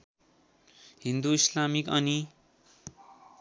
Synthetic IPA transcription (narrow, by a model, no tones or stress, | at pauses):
ɦind̪uislamikʌni